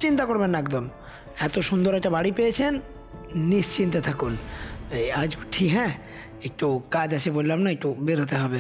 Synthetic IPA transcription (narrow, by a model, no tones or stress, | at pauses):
t͡ɕint̪akoɾbenːɛkd̪om | ɛt̪oʃund̪oɾɛk̚ʈabaɽipejet͡ɕʰenː | ist͡ɕint̪et̪ʰakunead͡ʑuʈʰːiɦɛ̃ | ek̚ʈukad͡ʑaʃʰebollamnaek̚ʈubeɾɦot̪eɦɔbe